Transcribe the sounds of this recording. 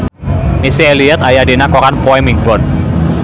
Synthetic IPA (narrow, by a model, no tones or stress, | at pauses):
misieliɛt̪ajadenakɔkanpɔɛmiŋbɔn